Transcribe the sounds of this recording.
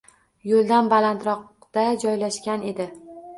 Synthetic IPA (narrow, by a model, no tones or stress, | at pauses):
jolˠd̪anbalant̪ɾɒq | d̪̥ad͡ʒɒjlaʃkʲane̞d̪ɪ